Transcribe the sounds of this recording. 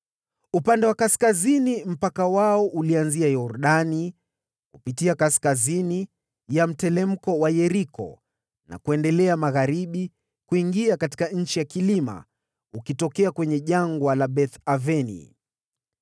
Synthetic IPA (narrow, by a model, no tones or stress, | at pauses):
upandɛwakaskazinim̩pakawaɔʔulianziajɔɾɗani | kupitiakaskazini | jam̩tɛlɛm̩kɔwajɛɾikɔ̰ | na̰kuɛndɛlɛamaɣaɾiɓi | kuiŋɡiakati̥kaɲ̩t͡ʃijakilima̰ | ukitɔkɛakwɛɲɛʄaŋɡwalaɓɛθavɛnḭ